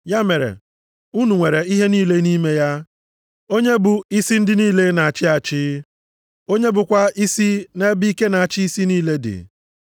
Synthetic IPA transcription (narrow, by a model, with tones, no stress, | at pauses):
ja˦me˨ɾḛ˨ | u˦nu˨ŋʷe˨ɾe˨i˦ɦe˦niː˦le˦niː˦me˦ja˦ | o˦ɲe˦bʊ˨i˦si˦n̩˦dɪ˦niː˦le˦na˨a˨t͡ʃɪ˦a˨t͡ʃɪ˦ | o˦ɲe˦bʊ˨kʷa˦i˦si˦ne˦bi˦i˦ke˦na˨a˨t͡ʃi˦i˦si˦niː˦le˦dɪ̰˨